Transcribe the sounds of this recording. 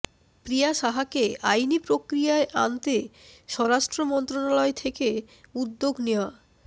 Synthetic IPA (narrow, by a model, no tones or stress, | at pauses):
pɾijaʃaɦakeajnipɾokɾijaeʔa̰nt̪eʃɔɾaʃʈɾomɔnt̪ɾonalɔet̪ʰeke | ud̪ːoɡneoa